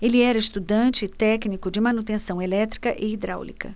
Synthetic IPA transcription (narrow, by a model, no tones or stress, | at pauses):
elɪɛɾɐɪst̪ud̪ɐ̃t͡ʃɪt̪ɛknikʊd͡ʒɪmɐnut̪ẽsɐ̃w̃elɛt̪ɾikɐʔɪid̪ɾa̰wlḭkɐ̰